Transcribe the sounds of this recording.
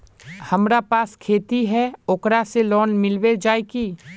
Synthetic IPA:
hɐmɾapaːskʰeːt̪iɦɛoːkɾaselɔːnmɪlwed͡ʒaːekiː

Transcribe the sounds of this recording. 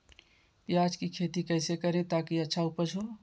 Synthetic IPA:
pjaːd͡ʒkikʰeːt̪ikɛːsekəɾẽt̪aːkiətːʃʰaupət͡ʃʰoː

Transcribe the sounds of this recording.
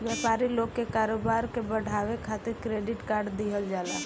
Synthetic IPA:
ʋjaːpaːɾiloːɡ̚kekaːɾoːbaːɾkebəɽ̤ʱaːʋekʰaːt̪ɪɾkɾeːɖɪʈkaːɾɖd̪iɦəld͡ʒaːla̰ː

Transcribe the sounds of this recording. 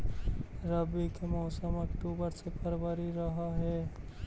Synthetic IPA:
ɾəbikemɔːsəməkʈuːbəɾsepʰəɾbəɾiɾɐɦaɦɛː

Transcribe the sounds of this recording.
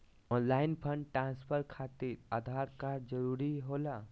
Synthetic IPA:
ɔnlaːɪnpʰə̃ɳɖ̚ʈɾãːnspʰəɾkʰat̪iɾad̪ʱaɾkad͡ʒəɾuɾiɦola

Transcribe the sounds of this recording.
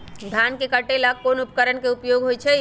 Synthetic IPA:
d̪ʱankekəʈelakkːonupəkəɾənkeupjoɡɦojt͡ʃʰɛ

